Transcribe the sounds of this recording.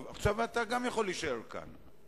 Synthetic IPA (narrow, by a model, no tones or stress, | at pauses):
vaχʃavat̪aɡamjaχo̞lːiʃaeʁka̰n